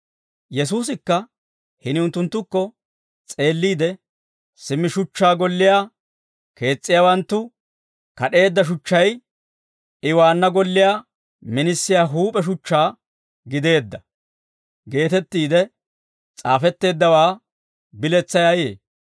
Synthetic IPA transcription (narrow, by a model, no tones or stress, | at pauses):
jɛs̬uːs̬ɪkːɐ | hɪnɪʊnt̪ːʊnt̪ːʊkːɔ | t͡sʼe̞ːlːiːd̪ɛ | sɪmːɪʃʊt͡ʃːaːɡɔlːɪjaː | ke̞ːt͡sʼːɪjaːwɐnt̪ːʊ | kɐɗe̞ːd̪ːɐʃ̬ʊt͡ʃːɐj | ʔɪwaːnːɐɡɔlːɪjaː | mɪnɪsːɪjaːɦuːpʼɛʃ̬ʊt͡ʃːaː | ɡɪd̪e̞ːd̪ːɐ | ɡe̞ːt̪ɛt̪ːiːd̪ɛ | t͡sʼaːfɛt̪ːe̞ːd̪ːɐwaː | bɪlɛt͡sːɐjajḛː